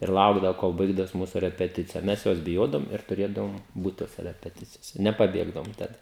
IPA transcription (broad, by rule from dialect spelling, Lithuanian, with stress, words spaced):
ɪr ˈlˠɐʊɡdɐʋoː koːlˠ ˈbɐɪɡdɐʋoːs ˈmuːsʊ rʲɛpʲɛˈtʲɪt͡sʲɪjɛ ˈmʲɛs ˈjoːs bʲɪˈjoːdɐʋoːm ɪr tʊˈrʲeːdɐʋoːm ˈbuːt ˈtoːsʲɛ rʲɛpʲɛˈtʲɪt͡sʲɪjoːsʲɛ nʲɛpɐˈbʲeːɡdɐʋoːm ˈtɐt